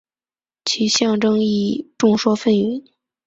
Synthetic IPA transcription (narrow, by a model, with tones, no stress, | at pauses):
t͡ɕʰi˧˥ɕjɑ˥˧ŋʈ͡ʂɤ˥ŋi˥˩ʈ͡ʂʊ˥˧ŋʂwɔ˥fə˥˩ny˧˥n